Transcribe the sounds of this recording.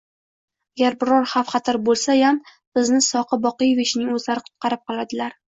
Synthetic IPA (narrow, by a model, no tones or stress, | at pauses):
aɡʲaɾbɪɾɒɾχafχɑt̪ʰaɾbolˠsajam | b̥ɪznɪsɒqʰɨbɒqɨjvɪt͡ʃnɪŋɵzaɾɪqʰʊ̥t̪̚qɑɾɪp̚qɒlˠad̪ɪlaɾ